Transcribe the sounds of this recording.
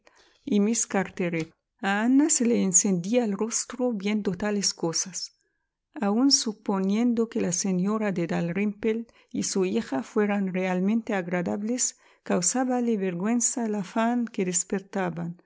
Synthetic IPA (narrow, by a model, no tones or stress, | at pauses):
imiskaɾt̪eɾe | aanaseleːnsend̪iaːlrost̪ɾoβjend̪ot̪aleskosas | aunsuponjẽnd̪okelaseɲoɾad̪ed̪alrimpel | isuixafweɾanrealmẽnt̪eaɣɾad̪aβles | kawsaβaleβeɾɣwensalafaŋkeðespeɾt̪aβan